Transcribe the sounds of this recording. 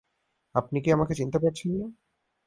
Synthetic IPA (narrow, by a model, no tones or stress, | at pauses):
apnikiamaket͡ɕint̪epaɾt͡ɕʰenːi